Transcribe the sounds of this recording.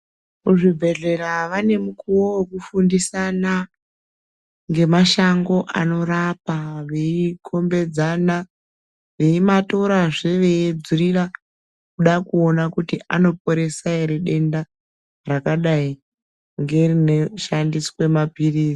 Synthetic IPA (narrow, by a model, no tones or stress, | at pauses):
muʐibʱe̞ɮe̞ɾaʋane̞mukuwowekufundisana | ŋɡe̞maʃaŋɡo̞ʔano̞rapaʋe̞ikʰo̞mbe̞d͡zana | ʋe̞imato̞ɾaʐeʋe̞ed͡zurira | kuɗakuonakutiʔano̞p̚o̞ɾe̞saeɾeɗe̞nda | rakaɗai | ŋɡe̞rineʃandiswe̞mapiriːzi